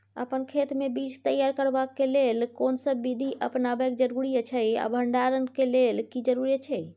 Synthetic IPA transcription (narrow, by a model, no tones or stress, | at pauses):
ə̰pənkʰet̪mebit͡ʃt̪əjaɾkəɾbakːelelkonsəbːid̪ʱiʔəpnabəkd͡ʒəɾuɾijət͡ʃʰəja̰bʱəɳɖaɾənkelelkid͡ʒəɾuɾiət͡ʃʰɛj